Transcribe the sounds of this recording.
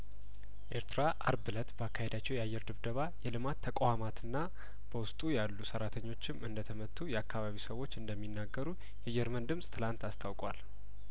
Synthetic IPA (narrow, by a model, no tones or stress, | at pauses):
ʔeɾt̪ʰɨɾaʔaɾbɨlət̪bəakːahe̞d̪at͡ʃːɛwjɛajːɛɾd̪ɨβd̪əβajɛlɨmat̪ʰːəkʼwamat̪ɨnːa | b̥əwʊst̪ʼujalːusəɾat̪ʰəɲːo̞t͡ʃːɪmɨnd̪ət̪ʰəmət̪ʰːujɛakːaβaβisəwo̞t͡ʃːɨnd̪əmːinːaɡːəɾu | jɛd͡ʒɛɾmənd̪ɨmsʼt̪ʰɨlant̪ast̪ʰawkʼwal